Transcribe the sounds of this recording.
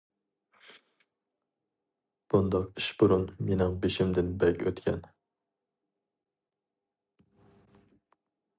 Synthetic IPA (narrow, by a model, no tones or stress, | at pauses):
b̥ʊnd̪ɒqɪʃbʊɾʊnmenɪŋbeʃɪmd̪ɪnbækʲɵt̪kʲʰa̰n